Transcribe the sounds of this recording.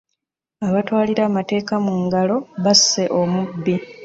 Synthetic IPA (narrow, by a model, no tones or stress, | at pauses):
aβatwaːliɾaːmate̞ːkamuŋɡalo̞βasːe̞ʔomubːi